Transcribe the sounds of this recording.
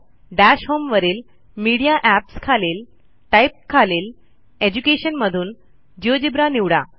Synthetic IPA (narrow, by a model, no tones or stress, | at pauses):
ɖæɕɦomʋəɾiːl | miɽijaʔæpskʰaleːl | ʈajp̚kʰaleːl | ed͡ʑukeɕənməd̪ʱuːn | d͡ʑiod͡ʑibɾaniʋɽa̰